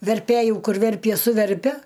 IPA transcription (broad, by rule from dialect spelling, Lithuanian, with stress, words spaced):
ʋʲɛrʲˈpʲæjʊ ˈkʊr ˈʋʲɛrʲpʲiɛ sʊˈʋʲɛrʲpʲɛ